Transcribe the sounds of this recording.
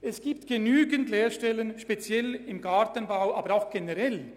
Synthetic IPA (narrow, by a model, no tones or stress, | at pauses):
ʔɛsɡ̥iːp̚tɡ̥enyːɡəntleːɾʃtɛlənʃpet͡sjɛlɪmɡaʁtənbaʊʔaːbəɾaʊxɡ̥enɛʁɛl